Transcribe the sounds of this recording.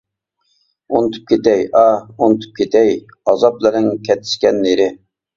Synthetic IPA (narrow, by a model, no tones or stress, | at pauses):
unɨt̪ʰɨ̥p̚kʲet̪ɛjɑunt̪ʰu̥p̚kʲet̪ʰɛj | ɑzɑplɨɾɪŋkʲʰɛt̪ʰːɪ̥ʃkʲɛnːeɾɪ